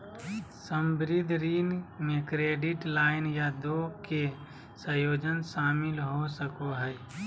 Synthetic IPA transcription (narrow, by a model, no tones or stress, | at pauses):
səmbɾɪd̪ʱɾiːnmekɾeːɖɪʈlaːɪnjad̪oke | sə̃joːd͡ʒənʃaːmɪlɦosəkoɦɛɪ